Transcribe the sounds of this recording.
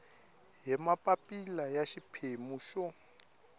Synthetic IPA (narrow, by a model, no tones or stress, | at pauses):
jɛmapʼapʼilajaʃipʰemuʃɔ